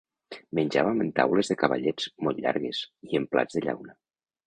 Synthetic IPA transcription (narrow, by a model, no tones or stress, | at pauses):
mənʲd͡ʒaβəmənt̪a̰wləzðəkəβa̰ʎɛd͡zmolʎa̰ɾɣez̥iəmpla̰d͡zðəʎa̰wnə